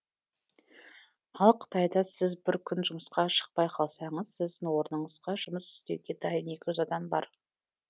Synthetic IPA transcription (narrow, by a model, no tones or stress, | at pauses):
ɑlˠqʰə̥t̪ɑjd̪ɑsɪzbɪɾkʲʰʏnʒʊməsqɑʃə̥q̚pɑjqʰɑlˠsɑɴəz̥sɪzd̪ɪnwo̞ɾnəɴəz̥ʁɑʒʊməsɪ̥st̪e̞̰wɡʲe̞d̪ɑjəne̞kʲɪʒʏzɑd̪ɑmbɑ̰ɾ